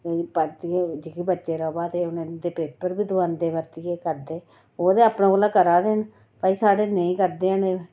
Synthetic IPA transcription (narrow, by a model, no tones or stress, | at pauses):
epəɾt̪ied͡ʒɪkibətːʃeːɾɔːbaːt̪eːʊnãːd̪eːpeːpəɾbid̪ʋaːnd̪eːʋəɾt̪ɪjeːkəɾd̪eː | oːd̪eːaːpnãːolaːkəɾaːd̪eːn | paisaːɽeːnəĩːkəɾd̪eːəne